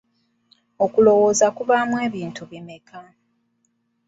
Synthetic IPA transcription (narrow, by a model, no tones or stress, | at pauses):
o̞kulo̞wo̞ːzakuβaːmwe̞ːβiːntuβime̞kʰa